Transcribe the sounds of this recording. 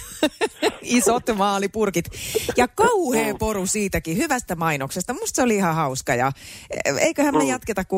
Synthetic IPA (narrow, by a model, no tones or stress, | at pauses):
isot̪mɑːlipurkit̪jɑkɑuheːporusiːt̪ækihyʋæst̪æmɑinoksest̪ɑmust̪seoliihɑhɑuskɑjɑ̰ | ḛikøhæmmejɑt̪ket̪ɑkku